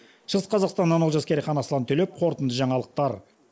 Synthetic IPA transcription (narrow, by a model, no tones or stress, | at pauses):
ʃəʁəsqʰɑzɑqst̪ɑnːɑnolˠʒɑskʲeɾəχɑnɑsəlˠɑnt̪ʰɵle̞p̚qʰo̞ɾt̪ənd̪əʒɑɴɑlˠəq̚t̪ɑɾ